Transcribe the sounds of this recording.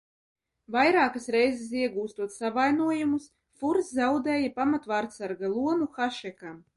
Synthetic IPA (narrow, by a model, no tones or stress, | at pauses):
vajɾaːkasɾɛjzɛs̬iɛɡuːst̪uɔt̪savajnuɔjumus | fuɾszawd̪ɛːjapamat̪vaɾt̪saɾɡalˠuɔnuxaʃɛkam